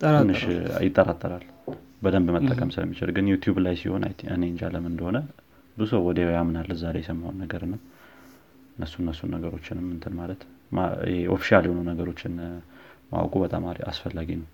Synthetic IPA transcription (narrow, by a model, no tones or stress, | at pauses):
nːɨʃjɪt̪ʼːəɾat̪ʼːəɾal | bəd̪əmbmət̪ʼːəkʼəmsɨlə̰mːit͡ʃɪ̰lɡɨnjut̪ʰjublajsiho̞na̰ɨ̰ne̞nt͡ʃaləmɨnd̪əho̞nə | bɨzusəwwɔd̪ewjamnalːəzaɾejɛsəmːahonːəɡəɾɨnːəw | ɨnːəsːunːəsːunːəɡəɾo̞t͡ʃːɪnɨmːɨnt̪ʰɨnmalət̪ma̰heo̰fi̥ʃialjhonənəɡəɾo̞t͡ʃːɪn | ma̰wkʼubət̪ʼamaɾia̰sfəlːaɡinəw